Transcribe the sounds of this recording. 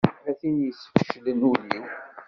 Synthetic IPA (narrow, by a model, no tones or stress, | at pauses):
æθinjəsːəfə̥ʃlənuli